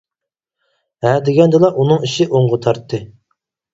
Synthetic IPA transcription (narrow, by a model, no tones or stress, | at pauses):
ɦɛd̪ɪɡʲɛnd̪ɨlˠɑʔunɨŋiʃɪʔoŋʁət̪ʰɑɾt̪ʰːɨ